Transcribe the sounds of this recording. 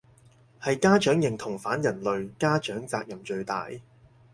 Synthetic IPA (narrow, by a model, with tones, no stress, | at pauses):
hɐ˨jkaː˥t͡ʃœː˨˥ŋjɪ˨ŋt̪ʰʊ˨˩ŋfaː˨˥njɐ˨˩nlɵ˨ɥkaː˥t͡ʃœː˨˥ŋt͡saː˧k̚jɐ˨˩mt͡ʃɵ˧ɥt̪a̰ː˨j